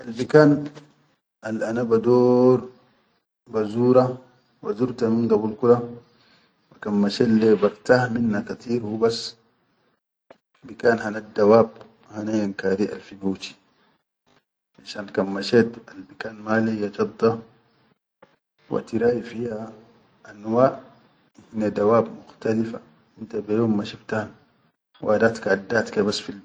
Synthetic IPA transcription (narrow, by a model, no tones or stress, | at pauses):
ʔalbikaːn | alʔanabad̪oːɾ | bazuːɾa | wa̰zuɾt̪aminɡabulkuɾa | wakamːaʃelːebaɾt̪ahminːakat̪ʰiːɾhubas | bikaːnɦanad̪ːawaːb | hanajankaːɾiʔa̰lfinuwt̪i̥ | ʕaʃaːnkamːaʃeːt̪albikaːnmalejad͡ʒɑd̪ˤːɑ | wa̰t̪iɾaːjifiha | ʔanwaːʔ | hinad̪awaːbmuxt̪alifa | ʔint̪abajoːmːaʃift̪ahn | wʔad̪aːt̪kad̪ːaːt̪kabasːfi